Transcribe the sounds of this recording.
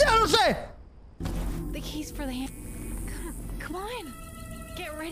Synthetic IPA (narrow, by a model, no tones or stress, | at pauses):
õseɪ | ðɨkʰiz̥fə˞ðɨhæ̃kʰʌ̃mkʰʌ̃mãɪ̃nɡ̥ɛt̚ɹɛ